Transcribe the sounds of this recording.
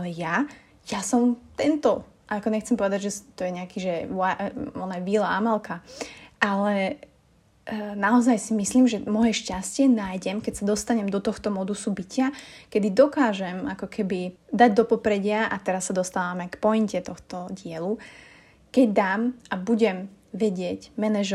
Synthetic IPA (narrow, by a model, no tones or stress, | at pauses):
alɛja | jasɔmt̪ɛnt̪ɔ | ʔaakɔɲɛxt͡sɛmpɔʋɛd̪aɟʒɛt̪ɔjɛɲɛakiːʒɛaɔnajʋiːlaʔamalkaʔalɛ | naɔzajsimisliːmʒɛmɔjɛʃcascɪɛnaːjɟɛmkɛcsad̪ɔst̪aɲɛmd̪ɔt̪ɔxt̪ɔmɔd̪usubicɪakɛd̪id̪ɔkaːʒɛmakɔkʰɛbid̪aɟd̪ɔpɔpɾɛɟɪaʔat̪ɛɾasːad̪ɔst̪aːʋamɛjkpɔiɲcɛt̪ɔxt̪ɔɟɪɛlu | kɛɟd̪aːmʔabuɟɛmʋɛɟɪɛɟmɛnɛʒ